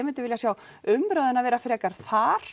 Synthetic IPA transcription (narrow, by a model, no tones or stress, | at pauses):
mɪnt̪ɪvɪljasjaw | ʏmɾœːðʏnaðvɛːɾafɪɾɛkaɾ̥θaɾ̥